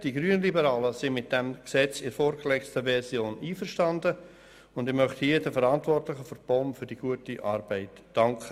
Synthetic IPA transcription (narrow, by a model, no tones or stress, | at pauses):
d̥iɡɾyənəlibəɾɑːləsɪmɪt̚d̥ɛmksɛt͡sɪɾfoːɾɡəlɛkstəvɛsjoːniːfəɾʃtɑndə | ʊndɪmœχthiːdɛfəɾɑntvɔrtlɪχəføɾb̥ɔmfʏɾd̥iɡ̥uətiʔɑɾb̥ɛɪtd̥ɑŋkʰχə